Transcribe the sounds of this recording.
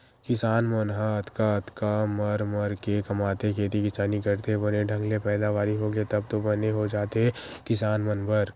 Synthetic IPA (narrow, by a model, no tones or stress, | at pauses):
kɪsaːnmɐənɦaət̪kaət̪kamɐɾməɾkekɐmaːt̪ekʰeːt̪ikɪsaːnikɐɾt̪eɦɛbɐneɖʱɐ̃ŋɡlepɛːd̪aʋaːɾiɦoɡet̪ɐb̚t̪obɐneɦod͡ʒaːt̪eɦɛkɪsaːnmɐnbəɾ